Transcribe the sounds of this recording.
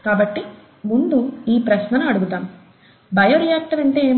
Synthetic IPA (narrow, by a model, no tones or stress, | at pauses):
kaːbɐʈːi | mund̪uiːpɾɐʃnɐnuɐɽuɡut̪aːm | bɐjoɾijaːk̚t̪ɐʋɐɳʈeːeː